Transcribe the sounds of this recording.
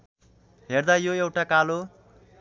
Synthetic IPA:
ɦerd̪ajoewʈakalo

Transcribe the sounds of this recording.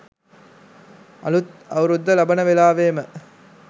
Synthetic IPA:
ɐ̰lut̪ɐwɾud̪ːɐlɐbɐnɐʋelaːʋeːmə

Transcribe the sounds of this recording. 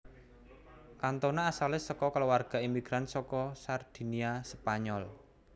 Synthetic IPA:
kant̪onaːsalɪsɔkɔkəlowarɡ̥a̤imiɡ̥ɾansɔkɔsard̪̥i̤niaspaɲɔl

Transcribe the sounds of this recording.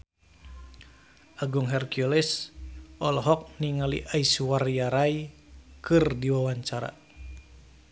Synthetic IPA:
ʔaɡuŋɦɛrkjɔlɛsʔɔlɦɔk̚niŋalḭʔaisuwarjaɾai | kɨrdiwawaɲt͡ʃaɾa̰

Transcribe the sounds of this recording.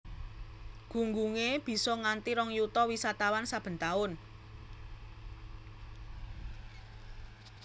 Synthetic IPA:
ɡ̥ṳŋɡuŋeb̥i̤sɔŋant̪iɾɔŋjut̪ɔwisat̪awansab̥ə̤nt̪aʊn

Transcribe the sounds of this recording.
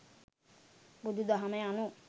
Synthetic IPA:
bud̪ud̪aɦamejanu

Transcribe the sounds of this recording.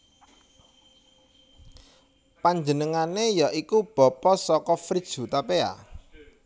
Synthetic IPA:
paɲd͡ʒənəŋanejɔʔikub̥ɔ̤pɔsɔkɔfɾid̥ʒ̥ṳt̪apea̰

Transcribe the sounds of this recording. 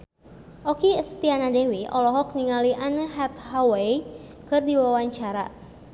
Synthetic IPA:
ʔɔkiəst̪ianadewiʔɔ̰lɔɦɔk̚niŋaliʔanəɦat̪̚hawei | kɨrdiwawaɲt͡ʃaɾa̰

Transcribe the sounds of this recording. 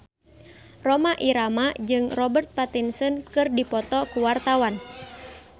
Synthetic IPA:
rɔmaʔiɾamad͡ʒɨŋrɔbərt̪̚pat̪insɔnkɨrdipɔt̪ɔkuwart̪awan

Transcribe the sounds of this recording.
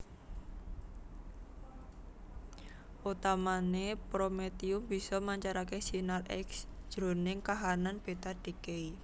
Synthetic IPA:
ʔut̪amanepɾomet̪iʊmb̥i̤sɔmaɲt͡ʃaɾakesinalʔɛ̰ksʒ̥ɾonɪŋkaɦananb̥e̤t̪ad̥i̤kei

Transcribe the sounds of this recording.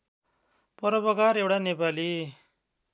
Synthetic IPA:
pʌɾʌpʌkaɾewʈanepali

